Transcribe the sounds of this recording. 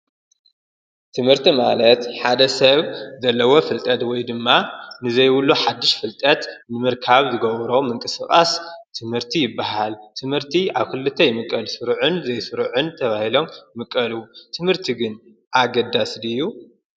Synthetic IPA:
t̪ʰɨmhɨɾt̪ʰimalɐt̪ħad̪ɐsɐβzɐlːɐwo̞fɨlt̪ʼɐt̪wɔjd̪ɨmːanɨzɐjwʊluħad̪ːɨʃfɨlt̪ʼɐt̪nɨmɨɾkʰaβzɨɡɐβɾo̞mɨŋkʼɨskʼast̪ʰɨmhɨɾt̪ʰijɪbːaɦalt̪ʰɨmhɨɾt̪ʰiaβkʰɨlːɨt̪ʰːɐjɪmɨkʼːɐlsɨɾʕunzɐjsɨɾʕunt̪ʰɐβahilo̞mjmɨkʼːɐlut̪ʰɨmhɨɾt̪ʰiɡɨn | ʔaɡɐd̪aslɨjːu

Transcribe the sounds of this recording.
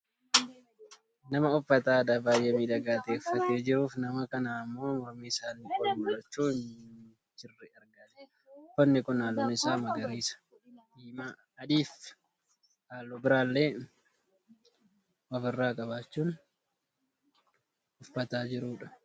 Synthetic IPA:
nɐmɐʊfːɐt̪aːd̪abaːjʔemiːᶑ̪ɐɡaːt̪eːfːɐt̪eːd͡ʒɪɾuːfnɐmɐkɐnaːmːo̞ːmɔɾmiːɪsaːnːɪkʼɔnmɐɾɐt͡ʃːuːɪn | t͡ʃːɪrːɛɐɾɡaːᶑ̪ɛ̥ | ʊfːɐnːɪkʊnaːlːoːnɪsaːmɐɡɐɾiːsɐ̥ | d̪iːma | ɐd̪iːf | ʔaːlːoːbɪɾaːlːeː | wɐbɪrːaːkʼɐbaːt͡ʃːuːn | ʔʊfːɐt̪aːd͡ʒɪɾuːᶑɐ̥

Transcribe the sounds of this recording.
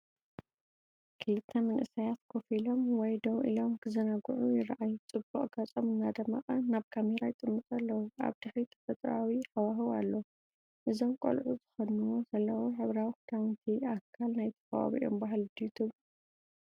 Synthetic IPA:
kʰɨlɨt̪ʰːɐmɐnʔɨsijat̪kʰofilo̞mwɔjd̪owʔḭlo̞mkʰɨzɐnaɡuʕujɪɾʔajut͡sʼɨbuʔʼɡat͡sʼomɨnːad̪ɐmːɐχʼɐnaβkʰameɾajɪt̪ʼɨmːɨt̪ʼalːɐwuʔa̰βd̪̥ɨħɾit̪ʰɐ̥fɐt̪ʼɾawiħawaɦɨwalːɐ | ʔɨzo̞mkʼo̰lʕuzɨxɐnuwo̞zɐlːɐwoħɨβɾawikd̪ʰawnt̪ʰiakʰːalnajt̪ʰɐ̥fɐwa̰βḭʔo̰mbaɦld̪ijt̪ʰuβ

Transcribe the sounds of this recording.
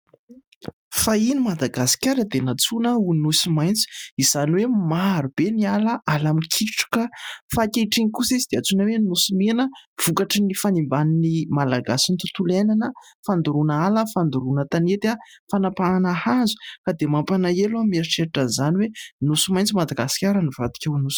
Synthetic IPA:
fainimad̪aɡasi̥kʲaɾəd̪enat͡sunəunusimajnt͡si̥iz̥aniwemaɾub̥enialəalamikʰiʈ͡ʂu̥kəfakeiʈ͡ʂiŋikusizid̪̥eat͡sunəwenusimenəv̥ukaʈ͡ʂənifanimbaninimalaɡasint̪ut̪ulajnanəfand̪uɾunaləfand̪uɾunət̪anet̪iafanapaanahazu̥kad̪emampanaeluamiaʈ͡ʂeaʈ͡ʂənzaniwenusimajnt͡simad̪aɡasi̥kʲaɾənivad̪i̥kʲəunusi̥

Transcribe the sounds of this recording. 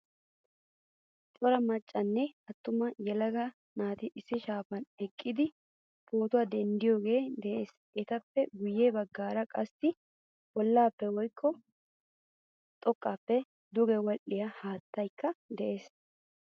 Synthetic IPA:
tʼɔɾɐmɐt͡ʃʼːɐnːɛɐt̪ːʊmɐjɛlɐɡɐ | naːt̪ɪʔɪsːɪʃaːfɐnɛkʼːɪd̪ɪ | po̞ːt̪ʊwad̪ɛnd̪ɪjoːɡe̞ːd̪ɛʔe̞ːs | ʔɛt̪ɐpːɛɡʊjːeːbɐɡːaːɾɐkʼɐsːɪ | b̥ɔlːaːpːɛwɔjkʰːɔ | t̪ʼɔkʼːaːpːɛ | d̪ʊɡɛwɔlʔɪjɐhaːt̪ːɐjkːɐd̪ɛʔe̞ːs

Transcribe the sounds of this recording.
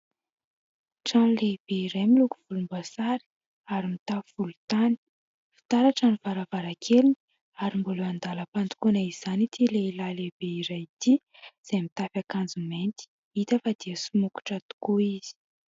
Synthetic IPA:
ʈ͡ʂanleb̥eiɾajmilukuv̥ulumbasaɾi̥ | aɾimit̪auvulut̪ani̥ | fi̥t̪aɾaʈ͡ʂanivaɾavaɾakʰelini̥ | aɾimboluand̪aləpand̪u̥kunaiz̥anit̪ʰileilalebeiɾajit̪i | z̥emit̪afakand͡zument̪i̥ | it̪əfad̪iəsumuku̥ʈ͡ʂat̪u̥kuiz̥i̥

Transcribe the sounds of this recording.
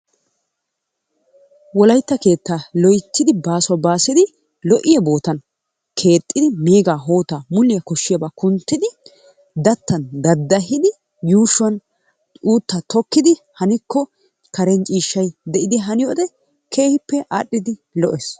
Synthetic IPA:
wɔlɐjt̪ːɐke̞ːt̪ːaːlɔjt̪ːɪd̪ɪbaːsɔwɐbaːsɪd̪ɪ | lɔʔɪjɐbo̞ːt̪ɐn | kʰe̞ːt̪ʼːɪd̪ɪmeːɡaːɦo̞ːt̪aːmʊlːɪjɐkɔʃːɪjɐbaːkʊnt̪ːɪd̪ɪ | d̪ɐt̪ːɐnd̪ɐd̪ːɐɦɪd̪ɪ | juːʃʊɐnʼ | uːt̪ːɐt̪ɔkːɪd̪ɪ | hɐnɪkʰːɔ | kɐɾɛnt͡ʃʼiːʃːɐjd̪ɛʔɪd̪ɪɦɐnɪjoːd̪ɛ | kʰe̞ːhɪpːɛʔa̰ːɗːɪd̪ɪlɔʔes

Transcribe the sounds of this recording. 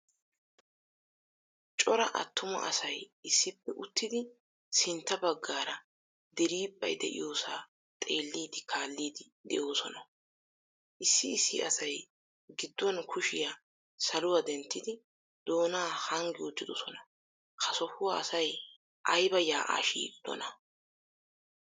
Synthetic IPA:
t͡ʃʼɔɾɐʔɐ̰t̪ʰːʊmɐ̰ʔɐ̰sɐjɪsːɪpːɛʔʊt̪ʰːɪd̪ɪ | sɪnt̪ːɐbɐɡːaːɾɐ | d̪ɛɾiːpʼːɐ̰jd̪ɛ̰ʔɪ̰joːsaː | t̪ʼe̞ːlːiːd̪ɪkʰaːlːiːd̪ɪ | d̪ɛ̰joːsɔnɐ | ʔɪsːɪːsːɪ̰ʔɐsɐj | ɡɪd̪ːɔnkʰʊʃɪja | sɐlʊwɐd̪ɛnt̪ːɪd̪ɪ | d̪̥o̞ːnaːhɐŋɡɪʊt͡ʃːɪd̪ɔsɔnɐ | kʰɐsɔfʊwɐɐsɐj | ʔɐjbɐjaːʔa̰ːʃḭːd̪̥ːɔ̰nɐ

